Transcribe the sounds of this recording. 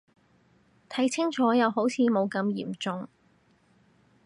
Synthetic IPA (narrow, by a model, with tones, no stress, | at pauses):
t̪ʰɐ˨˥jt͡sʰɪ˥ŋt͡ʃʰɔː˨˥jɐ˨˧wɦo˨˥wt͡sʰiː˨˧mo˨˧wkɐ˧mjḭː˨˩mt͡sʊ˨ŋ